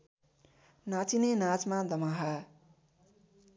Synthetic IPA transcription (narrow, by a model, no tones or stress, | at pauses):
nat͡sinenat͡smad̪ʌmaɦa